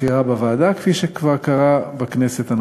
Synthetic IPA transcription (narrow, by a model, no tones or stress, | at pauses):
iʁabavaːd̪akfiʃekvaʁkaʁabekne̞se̞t̪an